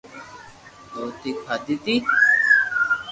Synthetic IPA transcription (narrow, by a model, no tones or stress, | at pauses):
d̪oːt̪ikʰad̪it̪i